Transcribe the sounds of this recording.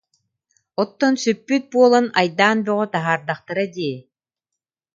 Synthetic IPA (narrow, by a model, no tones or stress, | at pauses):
ɔt̪ːɔnsypːyt̪̚buɔlˠanajd̪aːnbœʁɔt̪aɦaːɾd̪aχt̪ɯɾad̪iɛ